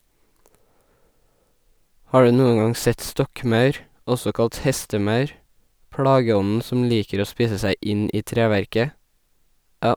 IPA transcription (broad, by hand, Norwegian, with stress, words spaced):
ˈhɑː ˈɖʉː ˈnuːəŋ ˈɡɑŋ ˈsɛt ˈstɔkˌmɑʉɾ ˈɔsɔ ˈkɑlt ˈhɛstəˌmɑʉɾ ˈpɽɑːɡəˌɔnn̩ sm̩ ˈliːkəɾ ˈoː ˈspiːsə ˈsæɪ ˈʔɪn ˈʔiː ˈtɾeːˌʋæɾkə